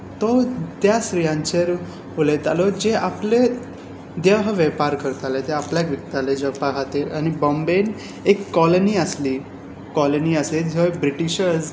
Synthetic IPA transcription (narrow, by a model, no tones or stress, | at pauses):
t̪ɔt̪jasɾijãɲt͡ɕeɾ | ɦolet̪alɔd͡ʑeaple | d̪eʋɦəʋɛpaɾkʰəɾt̪alet̪eapljakʋik̚t̪aled͡ʑɔpaɡʱat̪iɾañibɔmben | ekːɔloniəsliː | kɔloniəsled͡zʱojbɾiʈiɕəɾd͡z